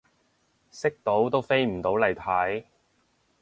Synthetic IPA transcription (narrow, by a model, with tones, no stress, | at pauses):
sɪ˥k̚t̪o˨˥wt̪o˥wfe˥jm̩˨˩t̪o˨˥wlɐ˨˩jt̪ʰɐ˨˥j